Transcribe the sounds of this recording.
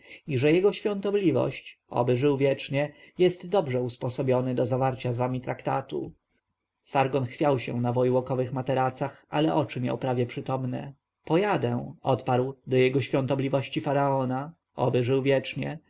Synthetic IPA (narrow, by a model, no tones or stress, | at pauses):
iʐɛjɛɡɔɕfʲjɔ̃nt̪ɔblʲivɔ̰ɕt͡ɕɔ̰bɘʐɘwvʲjɛt͡ʂɲɛjɛst̪d̪ɔbʐɛuspɔsɔbʲjɔnɘd̪ɔzavaɾt͡ɕazvamʲit̪ɾakt̪a̰t̪ṵ | saɾɡɔnxfʲjawɕɛ̰̃navɔjwɔkɔvɘxmat̪ɛɾat̪saxa̰lɛʔɔt͡ʂɘmʲja̰wpɾavʲjɛpʂɘt̪ɔmnɛ̰ | pɔjad̪ɛ̃ɔ̰t̪paɾwd̪ɔjɛɡɔɕfʲjɔ̃nt̪ɔblʲivɔɕt͡ɕifaɾaɔna | ɔ̰bɘʐɘwvʲjɛt͡ʂɲɛ